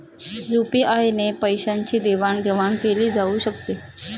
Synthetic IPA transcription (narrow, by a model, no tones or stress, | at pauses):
jupiːʔajnepəjɕaɲt͡ɕiːd̪eʋaɳɡ̪ʱeʋaɳkeliːd͡zauːɕəkt̪e